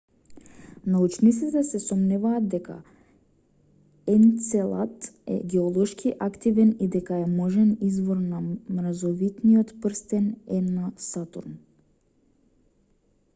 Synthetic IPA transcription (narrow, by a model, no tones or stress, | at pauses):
naut͡ʃnit̪sit̪ɛsɛsɔmnɛvaːd̪d̪ɛka̰ | ɛnt̪sɛlˠa̰t̪ɛ̰ɡɛɔlˠɔʃkʰiʔakt̪ivɛnid̪ɛkaɛmɔʒɛnizvɔɾnamɾazɔvit̪nijɔt̪pɾst̪ɛnɛnasat̪ṵɾn